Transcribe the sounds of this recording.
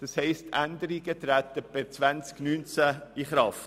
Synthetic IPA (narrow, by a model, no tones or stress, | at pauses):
d̥ɑshɛɪstʰænd̪əɾiɡət̪ɾæt̪əb̥ɛt͡svænt͡sknyːnt͡sæiχɾɑft